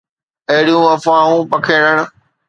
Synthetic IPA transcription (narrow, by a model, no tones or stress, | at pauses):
ɐɦɪɽijũɐfãːũːpɐkʰeːɽəɽ̃̆